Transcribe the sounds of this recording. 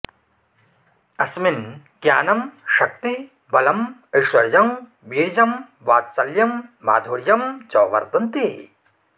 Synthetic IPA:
ɐsmin | ɡjaːnɐmʃɐk̚t̪i | bɐlɐmɐjʃʋɐɾɐd͡ʒɐm | ʋiːɾd͡ʒɐm | ʋaːt̪sɐljɐmʋa̰ːd̪ʱoːɾjɐmt͡ʃɔːʋɐ̰ɾt̪ɐnt̪i

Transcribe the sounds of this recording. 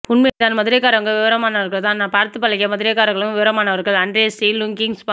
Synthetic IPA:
pʊnmet̪aːnmɐðɪɾekːaːɾɐŋɡɐɭʋɪʋɐɾɐmaːnɐʋɐɾɣɐɭt̪ãːnaːpaːɾt̪ːɯpːɐlɐɣɪjɐmɐðɪɾekːaːɾɐŋɡɐɭɯmʋɪʋɐɾɐmaːnɐʋɐɾɣɐɭɐndresiːlʊŋkɪŋspa

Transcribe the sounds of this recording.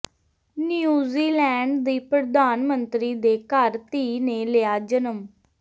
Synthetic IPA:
nijuːziːlɛːɳɖd̪iːpɾəd̪aːnmənt̪ɾiːd̪eːkəɾt̪iːnẽːleaːd͡ʒənəm

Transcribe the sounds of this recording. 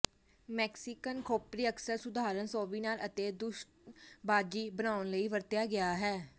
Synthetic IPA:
mɛːksɪkənkʰoːpɾiːəksəɾsʊd̪aːɾənsɔːʋiːnaːlət̪eːd̪ʊʃʈbaːd͡ʒiːbənaːʊnləiːʋəɾt̪jaːɡɪaːɦɛː

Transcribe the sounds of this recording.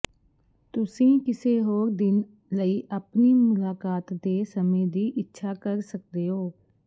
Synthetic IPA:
t̪ʊsĩːkɪseːɦoːɾd̪ɪn | ləiːʔəpniːmʊlaːkaːt̪d̪eːsəmẽːd̪iːʔɪtːʃʰaːkəɾsək̚d̪eːɦoː

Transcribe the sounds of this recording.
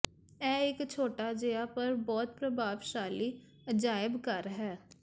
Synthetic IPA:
ɛːɪkt͡ʃʰoːʈad͡ʒejapɐɾbɔːt̪̚pɾɐbʱaːʋʃaːli | d͡ʒaːɪbkɐɾɦɛː

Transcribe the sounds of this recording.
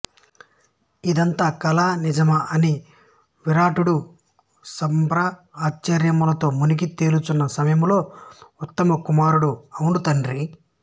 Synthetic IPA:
id̪ɐnt̪aːkɐlaːnid͡ʒɐmɐʔɐni | ʋiɾaːʈuɽu | sɐmpɾɐaːt͡ʃt͡ʃɐɾjɐmulɐt̪o̞ːmunikit̪e̞ːlut͡ʃunːɐsɐmɐjɐmlo̞ːut̪ːɐmɐkumaːɾuɽuɐwɳut̪ɐɳɾi

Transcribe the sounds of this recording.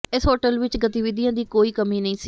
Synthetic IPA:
ɪsɦoːʈəlʋɪt͡ʃɡət̪iːʋɪd̪ijãːd̪iːkoːiːkəmiːnəĩːsi

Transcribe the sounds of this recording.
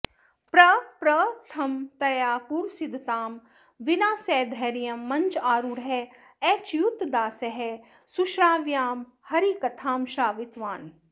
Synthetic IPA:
pɾɐpɾɐt̪ʰɐmt̪ɐjaːpuɾsid̪ʱt̪aːm | ʋinaːsɛːd̪ʱɛːɾijɐmːɐ̃ɲt͡ʃaːɾuɽɦɛ | ɛːt͡ʃjut̪d̪aːseɦe | suʃɾaːʋjaːm | hɐɾikɐt̪ʰaːmʃaːʋit̪ʋaːn

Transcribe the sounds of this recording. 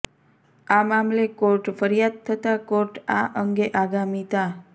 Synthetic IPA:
amamlekoɾʈfəɾijad̪̚t̪ʰət̪akoɾʈaʔəŋɡeʔaɡamit̪a

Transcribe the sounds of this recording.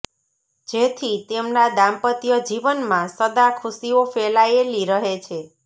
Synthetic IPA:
d͡ʒet̪ʰit̪emnad̪ãmpət̪jəd͡ʒiʋənmãsəd̪akʰusiofelaeliɾəɦet͡ʃʰe

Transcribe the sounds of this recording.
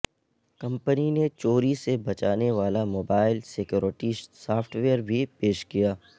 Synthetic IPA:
kɐ̃mpəninet͡ʃoːɾisebɐt͡ʃaːneʋaːlamoːbaːɪlsekjuːɾɪʈisaːpʰʈʋeəɾbʱipeːʃkijaː

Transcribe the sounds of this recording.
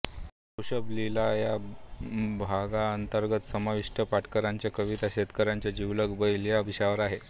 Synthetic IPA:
uɕəblilaja | bʱaɡaənt̪əɾɡət̪səmaʋiʂʈəpaʈkəɾaɲt͡ɕjakəʋit̪aɕet̪kəɾãɲt͡ɕjad͡ʑiʋləɡbəjljaʋiɕaʋəɾaɦe

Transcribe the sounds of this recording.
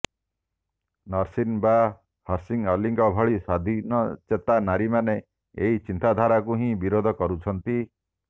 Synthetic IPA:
nɔɾsinba | hɔɾsiŋɔliŋɡɔbʱɔɭisad̪ʱinɔt͡ʃet̪anaɾimane | eɦit͡ʃint̪ad̪ʱaɾakuɦĩbiɾod̪ʱɔkɔɾut͡ʃʰɔnt̪i

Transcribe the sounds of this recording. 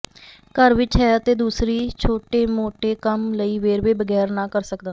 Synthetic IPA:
kəɾʋɪt͡ʃɦɛːət̪eːd̪uːsɾiːt͡ʃʰoːʈeːmoːʈeːkəmləiːʋeːɾʋeːbəɡɛːɾnãːkəɾsəkd̪ãː

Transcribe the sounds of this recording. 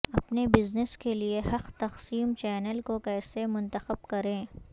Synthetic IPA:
ɐpnebɪznəskeliehɐqt̪ɐqsiːmt͡ʃɛːnəlkokɛːsemʊ̃nt̪əxəbkɐɾẽː

